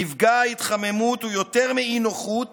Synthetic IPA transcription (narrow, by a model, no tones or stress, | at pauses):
ifɡaait̪χame̞mut̪ujo̞t̪eʁmeinoχut